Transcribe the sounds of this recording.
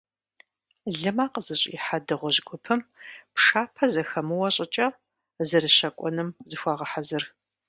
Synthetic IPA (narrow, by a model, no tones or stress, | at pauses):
ɮɨmaːqəzɨɕʼḭːħadɨʁʷɔʑɡʷʊpʰɨmpʂaːpʰɐzɐxɐmɨwɐɕʼɪt͡ʃʼɐ | zɨrɨɕɐkʷʼɔnɨmzɨxʷaːʁɐħazɨr